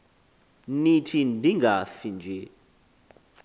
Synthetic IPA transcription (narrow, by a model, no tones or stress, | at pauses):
nitʰindʱiŋɡafind͡ʒʱe